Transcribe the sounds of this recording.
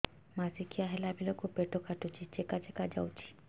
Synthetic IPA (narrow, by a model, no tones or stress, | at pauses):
masikʰijaɦelabilokupeʈokaʈut͡ʃʰit͡ʃekat͡ʃekad͡ʒa̰wt͡ʃʰi̥